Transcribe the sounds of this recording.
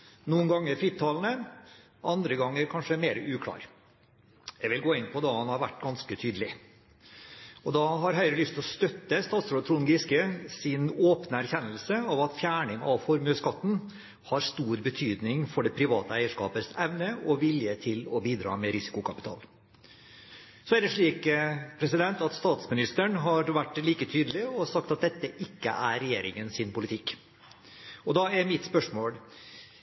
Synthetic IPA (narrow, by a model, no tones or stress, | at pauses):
nuːənɡɑŋːəɾfɾɪt̪ʰːɑlnə | ʔɑnd̪ɾəɡɑŋːəɾkʰɑnʂəmeːɾəʔʉːkʰlɑ̰ːɾ | jɛɡʋɪlɡoːɪnpʰɔd̪ɑhɑnhɑɾʋæʈːɡɑnskət̪ʰyːd̪əlɪ | ɔd̪ɑɦɑɾɦœʏɾəlʏst̪ʰɔst̪œt̪ːəst̪ɑːt̪sɾoːt̪ɾuːnɡɪskəsɪnoːpnəæɾçɛnːəlsəɑʋɑt̪fjæːɳɪŋɑʋfɔɾmøːskɑt̪ːn̩ | hɑɾst̪uːɾbət̪ʰyːd̪nɪŋfɔɖɛpʰɾɪʋɑːt̪əæɪəʂkɑ̰ːpəsɛʋnəɔʋɪljət̪ʰɪlɔbiːd̪ɾɑ̰ːmɛɾɪsɪ̥kʊkʰɑpɪ̥t̪ʰɑ̰ːl | sɔæɾɖ̪ɛʂɭiːkpʰɾɛsɪd̪ɛnt̪ɑt̪st̪ɑːt̪smɪnɪst̪əɳɦɑɾʋæʈːliːkət̪ʰyːd̪əlɪɔsɑkt̪ɑt̪̚d̪ɛt̪ːəʔɪkːə̰ʔæɾɛjeːɾɪŋənsɪnpʊlɪt̪ʰɪkː | ɔd̪ɑæɾmɪt̪spœʂmoːl